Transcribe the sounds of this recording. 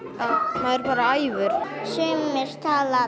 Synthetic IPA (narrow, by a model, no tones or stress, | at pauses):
amaðɪɾpaːɾaaːjvʏɾ̥sʏːmɪɾ̥t̪ʰaːla